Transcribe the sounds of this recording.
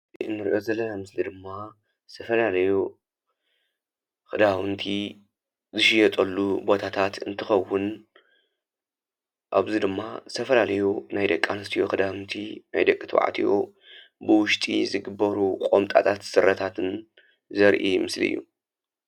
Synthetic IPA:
ɨnːɨɾḭʔo̞zɐlːɐnamɨslid̪ɨmːa | st̪ʰɐfɐlalɐju | kɨd̪awɨnt̪ʰi | zɨʃɪjɛt̪ʼɐlːubo̞t̪ʰat̪ʰat̪ɨnt̪ʰɨxɐwːʊn | ʔaβzid̪ɨmːast̪ʰɐfɐlalɐjunajd̪ɐkʼːanɨst̪ʰijokɨd̪awɨnt̪ʰina̰jd̪ɐkʼːit̪ʰwa̰ʕ̰t̪ʰijo̰ | bɨwʊʃt̪ʼḭzɨɡɨbːɐɾukʼomt̪ʼa̰t̪ʰat̪sɨɾːɐt̪ʰat̪ʰɨn | zɐɾʔimɨslḭjːṵ

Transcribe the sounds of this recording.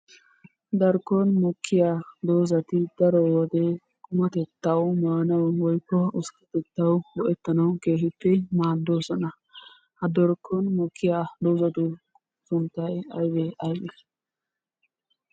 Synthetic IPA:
d̪ɐɾkːɔnmɔkʰːɪjaːd̪oːzɐt̪ɪd̪̥ɐɾɔwɔd̪ɛ | kʊmɐt̪ɛt̪ːɐwmaːnɐwwɔjkːɔʊskɐ̥t̪ɛt̪ːɐwbɔʔɛt̪ːɐnɐwkeːɦɪtːɛmaːd̪ːo̞ːsɔnɐ | hɐd̪ɔɾkʰːɔnmɔkʰːɪjaːd̪oːzɐt̪ʊ | sʊnt̪ːɐjɐjbɛʔɐjɡɛ

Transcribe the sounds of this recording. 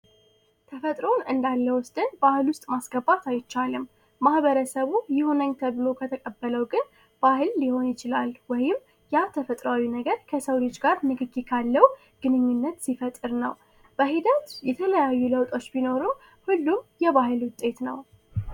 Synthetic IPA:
t̪ʰəfət̪ʼɾo̞nɨnd̪alːəwʊsd̪ʼɨnbahɨlwʊst̪ʼmasɡəbːat̪ajt͡ʃːalɨm | mahbəɾəsəβujɪho̞nəɲt̪ʰəβɨlo̞kʰət̪ʰəkʼəbːələwɡɨn | b̥ahɨlːiho̞njɪt͡ʃɪlalwɔjɪm | jat̪ʰəfət̪ʼɾawinəɡəɾkʰəsəwlɨd͡ʒɡaɾmɨɡɨɡikʰalːəw | ɡ̥ɨnɨɲːunːət̪sifət̪ʼːɨɾnə̰w | b̥əɦid̪ət̪jɛt̪ʰələjajːuləwt̪ʼo̞t͡ʃːbino̞ɾɨm | hulːumjɛβahɨlwʊt̪ʼːe̞t̪nə̰w

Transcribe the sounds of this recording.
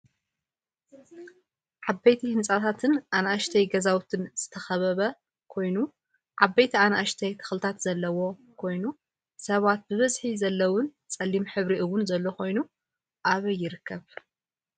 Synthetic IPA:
ʕabɐjt̪ʰihɨnsʼat̪ʰat̪ʰɨnʔanaaʃt̪ʰɐjɡɐzawt̪ʰɨnz̥ɨt̪ʰɐxɐβɐβɐ | kʰo̞jnu | ʕabɐjt̪ʰianaʔaʃt̪ʰɐjt̪ʰɨ̥xlɨt̪ʰat̪z̥ɐlːɐwo̞ | kʰo̞jnu | sɐβat̪̚bɨβɐzħizɐlːɐwʊn | t͡sʼɐlːimħɨβɾiʔɨwʊnzɐlːokʰo̞jnu | ʔaβɐjːɪɾɨkʰːɐβ

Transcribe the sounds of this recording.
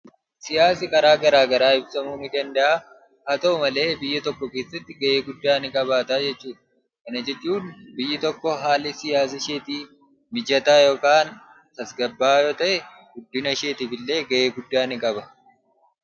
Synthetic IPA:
sɪjaːsɪkʼɐɾaːɡɐɾaːɡɐɾaːɪbsɐmuːnɪd̪ɐnd̪ɐʔa | haːt̪ɐʊmɐle̞ːbɪjːɐt̪ɔkːɔke̞ːsːɐt̪ːɪɡɐʔeːɡʊd̪ːaːnɪkʼɐβaːt̪aːd͡ʒɛt͡ʃːuːᶑ̪ɐ | kɐnɐd͡ʒɛt͡ʃːuːnbɪjːɪt̪ɔkːɔɦaːlːɪsɪjaːs̬ɐʃeːt̪iː | mɪd͡ʒɐt̪aːjoːkaːn | t̪ɐsɡɐbːaːjoːt̪ɐʔɛ | ɡ̥ʊd̪ːɪnɐʃeːt̪ɪfɪlːe̞ːɡɐʔeːɡʊd̪ːaːnɪkʼɐbɐ

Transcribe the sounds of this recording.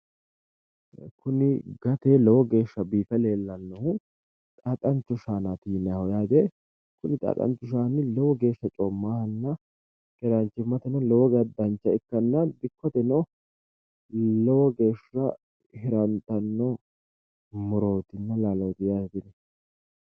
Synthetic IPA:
kʊnɪɡɐt̪eːlɔwɔɡe̞ːʃːɐbiːfɛle̞ːlːɐnːɔhʊ | t̪ʼat̪ʼɐnt͡ʃːʊʃaːnat̪iːnɐhɔjaːd̪eː | kʊnɪt̪ʼa̰ːt̪ʼɐ̰nt͡ʃːʊʃ̬aːnɪlɔwɔɡe̞ːʃːɐt͡ʃʼɔmːaːhɐnːɐ | kɛɾɐnt͡ʃːɪmːɐt̪ɛnɐlɔwɔɡɐd̪ɐnt͡ʃːɐɪkːɐnːɐb̪ɪkːɔt̪ɛnɔ | lɔwɔɡe̞ːʃɐ | hɪɾɐnt̪ɐnːɔ | mʊɾoːt̪ɪnːɐlaːloːt̪ɪjaːd̪ɛt̪ɪnɛ

